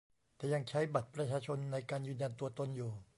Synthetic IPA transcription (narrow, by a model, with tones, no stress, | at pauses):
t̪ɛː˨˩ja˧ŋt͡ɕʰa˦˥jba˨˩t̪̚pɾa˧t͡ɕʰaː˧t͡ɕʰo˧nːa˧jkaː˧njɯː˧nja˧nt̪u˧ɐt̪o˧njuː˨˩